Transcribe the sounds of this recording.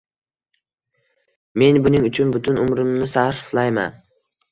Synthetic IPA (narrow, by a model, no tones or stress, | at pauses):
me̞nbʊnɪŋʊt͡ʃʰʊnbʊt̪ʰʊnʊmɾɪmnɪsahɾflajma̰n